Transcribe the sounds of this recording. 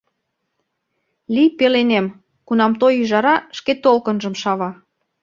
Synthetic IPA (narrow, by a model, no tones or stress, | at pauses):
lipelenem | kunɑmt̪ojyʒɑɾɑʃket̪olkənʒə̆mʃɑβɑ